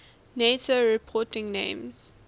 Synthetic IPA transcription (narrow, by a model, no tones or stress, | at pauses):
netəɹipʰɔtɪ̃ŋnḛ̃ɪ̃mz̥